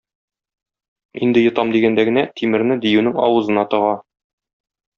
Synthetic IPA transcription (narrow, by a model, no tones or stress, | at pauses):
ind̪ɘjŏt̪ɑmd̪iɡænd̪æɡɘ̆næt̪ʰimɘ̆ɾnɘd̪ijʉnɘŋɒ̰wɤ̆zɤ̆nɑt̪ɤ̆ʁɑ